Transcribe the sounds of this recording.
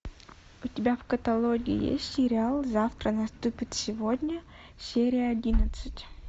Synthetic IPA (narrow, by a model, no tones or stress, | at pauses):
ʊtʲɪbʲavkət̪ɐlˠoɡʲɪɪ̰jḛsʲtʲsʲɪɾʲɪalˠzaft̪ɾənɐst̪upʲɪt̪sʲɪvod̪ʲnʲə | sʲeɾʲɪjəɐdʲinət̪sɨtʲ